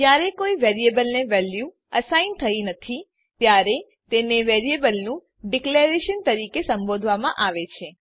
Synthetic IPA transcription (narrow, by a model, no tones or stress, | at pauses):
d͡ʒjaɾekoiʋɛɾiebəlneʋɛlju | əsaint̪ʰəinət̪ʰi | t̪jaɾe | t̪eneʋɛɾiebəlnũ | ɖikleɾeʃənt̪əɾikesəmbod̪ʱʋamãʔaʋet͡ʃʰe